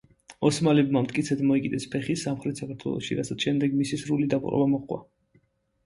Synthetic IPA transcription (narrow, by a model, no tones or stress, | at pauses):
ɔsmalɛbmamt̪ʼkʼit̪sʰɛd̪mɔikʼid̪ɛspʰɛχisamχɾɛt̪ʰsakʰaɾt̪ʰwɛ̰lˠɔ̰ʃḭɾasat̪ʰʃɛmd̪ɛɡmisisɾulid̪apʼχʼɾɔ̰bamɔχkʼwa̰